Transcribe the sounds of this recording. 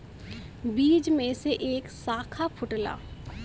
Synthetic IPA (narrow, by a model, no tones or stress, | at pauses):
biːd͡ʒmẽseʔeːksaːkʰapʰʊʈla̰ː